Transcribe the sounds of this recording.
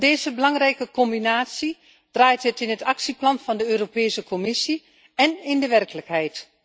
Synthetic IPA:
deːzəbəlɑŋrɛjkəkɔmbinaːtsi | d̥raːjtɦətɪnətɑksiplɑnfɑndəøːropeːsəkʰomɪsi | ɛnɪndəʋɛrkələkɦɛjt

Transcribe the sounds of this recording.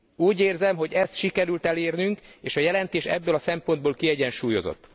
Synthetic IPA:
uːɟeːrzɛmɦo̞ɟɛst̪ʃikɛɾylt̪ɛleːrnyŋkeːʃɒjɛlɛnt̪eːʃɛ̰bːøːlɒsɛmpo̞nd̪boːlkiɛɟɛnʃuːjo̞̰zo̰t̪ː

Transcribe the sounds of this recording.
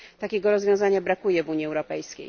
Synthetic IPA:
t̪akʲɛɡɔɾɔzvʲjɔ̃w̃zaɲabɾakujɛvuɲjiɛwɾɔpɛjskʲḛj

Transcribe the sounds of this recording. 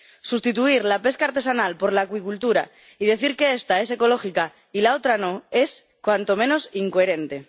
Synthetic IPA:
sust̪it̪uiɾlape̞skaɾt̪e̞sanalpo̞ɾlaːkwikult̪uɾa̰ | ið̞e̞θiɾke̞est̪ae̞se̞ko̞lo̞xika | ilaot̪ɾano̞e̞s | kwant̪o̞mẽ̞no̞siŋkoeɾe̞nt̪e̞

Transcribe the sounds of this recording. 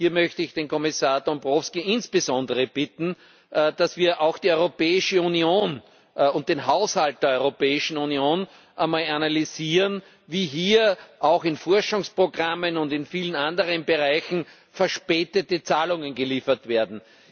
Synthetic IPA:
hiːɐmœçtəɪçd̥eːnkʰɔmɪsaːɐdɔmbʁɔfskiʔɪnsb̥əzɔ̃ndəʁəb̥ɪtn̩ | d̥asv̥iːɐʔaʊxd̥iɔʏʁopɛːɪʃəunioːn | ʊnt̚d̥eːnɦaʊshalt̚d̥eɐɔʏʁopɛːɪʃn̩unioːn | ʔɐmaːlanaliziːʁən | viːɦiːɐʔaʊxɪnfɔɐʃʊŋspʁ̥oɡʁamənʊndɪnfiːlənandəʁ̞ənbəʁaɪçn̩ | fɛɐʃpɛːtətət͡saːlʊŋənɡəliːfɐtveːɐdn̩

